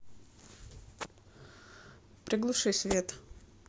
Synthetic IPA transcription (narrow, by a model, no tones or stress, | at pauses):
pɾʲɪɡlˠʊʂɨsʲvʲet̪